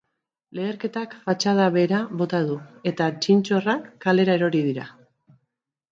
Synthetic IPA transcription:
le̞ːɾke̞t̪akfat͡ʃað̞aβe̞ɾaβo̞t̪aðue̞t̪at͡ʃint͡ʃo̞rakːale̞ɾae̞ɾo̞ɾiðiɾa

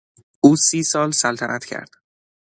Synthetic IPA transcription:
ʔuːsiːsɒːlsælt̪ʰænʔæt̪cʰæ̰ɾd̪̥

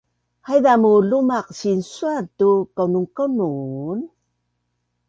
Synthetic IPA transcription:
hajdamulumaq̚ɕinsuatukawnuŋkawnun

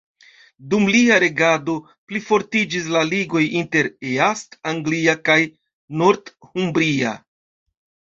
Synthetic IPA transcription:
dumliaɾe̞ɡado̞ | plifo̞ɾtid͡ʒis̬laliɡo̞jinte̞ɾeastaŋɡliakaj | no̞ɾdhumbɾia̰

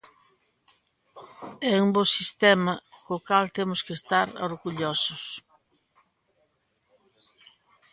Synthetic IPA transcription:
ɛumbosist̪ɛmɐkokalt̪emʊskest̪aɾoɾɣuʎosʊs

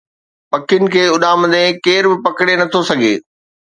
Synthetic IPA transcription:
pɐkɪʊnɪ̆kʰeːʊɗaːmɐ̃d̪ẽkeːɾbɪpɐkɪɽenɐt̪ʰosɐɡʱḛː

